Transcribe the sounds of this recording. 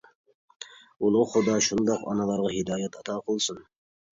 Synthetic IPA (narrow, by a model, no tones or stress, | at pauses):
ulˠʊχʊd̪ɑʃund̪ɑqɑ̰nɑlˠɑɾʁɑhɪd̪ɑːjat̪ʰɑt̪ʰɑːqʰolˠsɨn